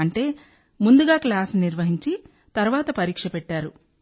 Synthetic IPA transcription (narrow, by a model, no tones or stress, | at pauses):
ɐɳʈe̞ː | mund̪uɡaːklaːsniɾʋɐɦiɲt͡ʃi | t̪ɐɾʋaːt̪ɐpɐɾiːkʂɐpɛʈːaːɾu